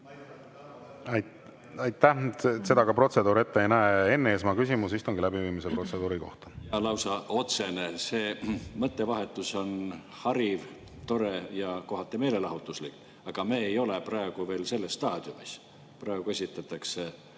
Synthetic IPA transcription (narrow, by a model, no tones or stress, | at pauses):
ɑjt̪ːæse̞d̪̥ɑkɑpro̞t̪se̞d̪uːɾe̞t̪ːeejnæee̞nːeːs̬mɑkysʲimus̬ist̪o̞ŋɡilæbiviːmisepro̞t̪se̞d̪uːɾiko̞ht̪ɑ̥ɑlɑwsɑo̞t̪se̞nese̞ːmɤt̪ˑːe̞vɑɦe̞t̪ːˑuso̞n | hɑɾiv | t̪o̞ɾejɑko̞ɦɑt̪ːˑeme̞ːle̞lɑɦut̪ːˑuslik | ɑɡ̥ɑmeːjo̞le̞prɑe̞ɡ̥uve̞ːlse̞lːesːt̪ɑːd̪̥iumis | prɑeɡ̥ue̞s̬ʲit̪ːˑɑt̪ːˑɑkse